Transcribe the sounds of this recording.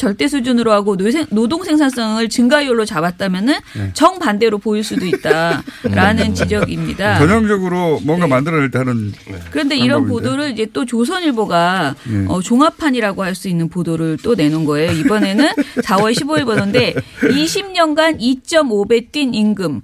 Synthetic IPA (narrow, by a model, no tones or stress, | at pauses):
t͡ɕʌɭt͈e̞sʰud͡ʑunɯɾoɦaɡonsenodoŋsʰe̞ŋsʰans͈ʌŋɯɭt͡ɕɯŋɡajoɭːot͡ɕabat̚t͈amjʌnɯnt͡ɕʌŋpande̞ɾopoiɭs͈udoit̚t͈aɾʔanɯnt͡ɕid͡ʑʌɡimɲidat͡ɕʌɲʌŋd͡ʑʌɡɯɾomwʌŋɡamandɯɾʌeɭtanɯnkɯɾʌnde̞iɾʌnpodoɾɯɾid͡ʑe̞t͈ot͡ɕos̬ʰʌɲiɭboɡaʌt͡ɕoŋapʰaɲiɾaɡohaɭs͈uinːɯnpodoɾɯɭt͈one̞nunɡʌe̞joibʌne̞nɯnsʰawʌɭɕʰiboiɭbʌnʌnde̞iɕʰimɲʌnɡanit͡ɕ͈ʌmobe̞t͈ininɡɯm